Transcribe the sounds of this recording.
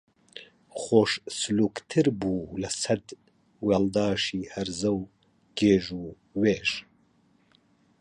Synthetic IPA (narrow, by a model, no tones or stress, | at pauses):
χoːʃsɨluːkt̪ʰɨɾbuːlɐsɐd̪ | wald̪ɑːʃiːhɐɾzɐw | ɡ̥eːʒuː | weːʃ